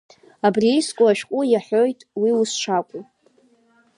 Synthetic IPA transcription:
abriiskʷʼʊaʃᶣqʷʼʊjaħojtʼwiwusʈ͡ʂʰakʷʼu

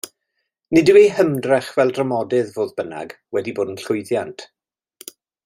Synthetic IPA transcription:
nidɪwejɦəmdrɛχvɛlˠdrəmɔdɪðvoːðbəna̰ɡ | wɛdiboːdənɬʊjðjantʰ

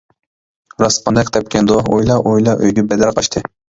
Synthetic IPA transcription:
ɾɑspɑnd̪ɛkʲt̪ʰɛp̚kʲʰɛnd̪ohojlˠɑʔojlˠɑʔøjɡʲɛbɛd̪æɾqʰɑʃt̪ʰɨ

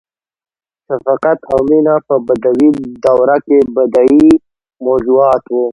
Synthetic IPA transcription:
ʃafaqat̪awminapəbad̪awid̪awɾakebad̪ai | mozuɑːt̪wu

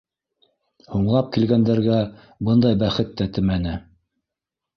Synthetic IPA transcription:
huɴlˠɑp̚kilɡænd̪æɾɡæ | bɤnd̪ɑjbæχɘt̪ːæt̪ɘmænɘ

